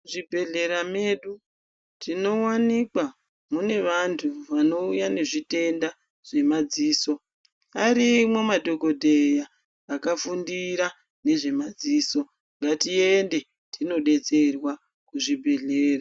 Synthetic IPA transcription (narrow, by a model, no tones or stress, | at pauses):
ʐibʱe̞ɮe̞ɾame̞ɗu | tʰino̞wanikwa | mune̞ʋantʰuʋano̞ujane̞ʐite̞nda | ʐ̥e̞mad͡ziːso̞ | aɾimwo̞madʱo̞ko̞dʱejaː | kafundiɾa | ne̞ʐe̞mad͡ziːso̞ | ŋɡatiende̞ | tino̞ɗe̞t͡se̞rwa | kuʐibʱe̞ɮeːra